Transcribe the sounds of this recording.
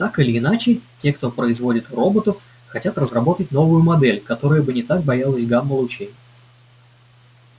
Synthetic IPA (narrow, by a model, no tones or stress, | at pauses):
t̪akɨlʲɪːnat͡ɕɪtʲe̞kt̪o̞pɾəɪzvo̞dʲɪt̪ro̞bət̪əf | xɐtʲat̪rəzrɐbo̞t̪ətʲno̞vʊjʊmɐd̪ɛlʲkɐt̪o̞ɾəjəbɨnʲɪt̪ak̚bɐjalˠəsʲɡamːəlˠʊt͡ɕejʲ